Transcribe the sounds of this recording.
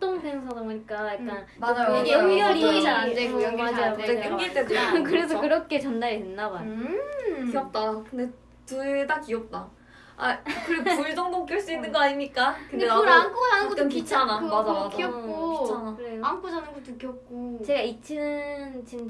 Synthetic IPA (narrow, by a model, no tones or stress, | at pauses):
t͈oŋsʰeŋs̬ʰadoɡɯɲik͈ajakk͈anmad͡ʑajɯjʌŋɡjʌɾiid͡ʑand͡ʑekooŋɡad͡ʑiaeɯŋɡiɭt͈edkɯɾe̞s̬ʰʌkɯɾʌkʰe̞t͡ɕʌndaɾienːaba | kiʌp̚t͈akɯnde | tutakiʌp̚t͈a | a̰kɯɾiɡpuisʰoŋdokʰiɭs͈uinːɯnɡoaɲimɲik͈akɯndeoɾaŋkʰoanɯnɡoɯkit͡ɕʰanaad͡ʑakʰiʌk͈oianaɯɾejaŋk͈ʰod͡ʑanɯnɡotukʰjʌk̚k͈ot͡ɕe̞ɡait͡ɕʰint͡ɕind